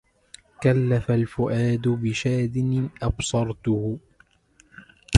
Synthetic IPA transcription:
kalːafalfʊʔaːd̪ʊbɪʃaːd̪ɪnɪʔɑbsˤɑɾˤt̪ʊhʊ

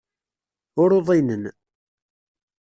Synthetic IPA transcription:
ʊɾoðˤinən

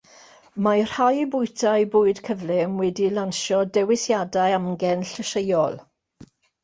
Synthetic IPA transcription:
mar̥hajbʊɨtʰajbʊːɨd̥kʰəvlɪmwɛdilanʃɔdɛwɪsjadajamɡɛnɬəʃejɔlˠ

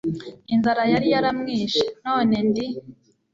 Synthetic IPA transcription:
inzaɾajaɾijaɾamŋiːʃḁno̞ːne̞ndi

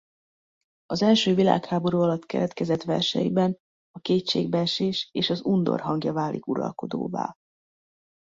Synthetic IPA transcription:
ɒzɛlʃøːvila̰ːkhaːbo̞ɾuɒlɒt̪kɛ̰ɾɛt̪kɛzɛt̪ʋɛrʃɛ̰jibɛn | ɒkeːtʃḛːɡbɛʃeːʃeːʃɒzund̪o̞̰rɦɒŋɡjɒvaːlikuɾɒ̰lko̞d̪o̰ːva̰ː

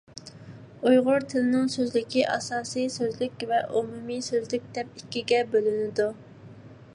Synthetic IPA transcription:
ujʁʊɾt̪ʰɪlɪnɪŋsøzlɪkʲiʔɑsɑːsijsøzlykʲvɛʔumumisøzlyk̚ʲd̪ɛp̚ikʲːiɡʲɛbølynɪd̪u

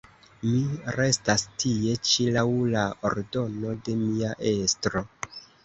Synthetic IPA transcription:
miɾe̞stastʰie̞t͡ʃilawlaoɾdo̞no̞de̞miaʔe̞stɾo̞

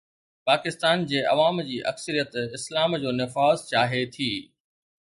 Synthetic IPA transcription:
paːkɪst̪aːnd͡ʑeːʔɐ̰ʋaːmd͡ʑiːʔɐ̰ksəɾijət̪ɪslaːmd͡ʑoːnɪfaːzt͡ɕaːɦet̪ʰiː

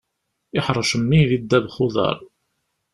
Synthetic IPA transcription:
ɪħɾˤəʃəmːiðid̪ːæbχʊðˤɑ̰ɾˤ

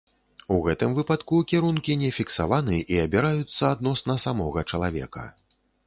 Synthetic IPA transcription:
uɣɛt̪ɨmvɨpat̪kukʲiɾunkʲinʲɛfʲiksavanɨʔiɐbʲiɾajut̪sːɐad̪nɔsnɐsamɔɣɐt͡ʂɐlˠavʲɛ̰kɐ̰

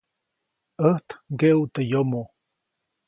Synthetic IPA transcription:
əht̪ɡeʔut̪əjomo

